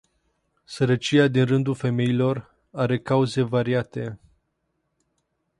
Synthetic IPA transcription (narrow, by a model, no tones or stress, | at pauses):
səɾət͡ʃiad̪inrɨnd̪ulfe̞me̞ilo̞r | aɾe̞kauze̞vaɾiat̪e̞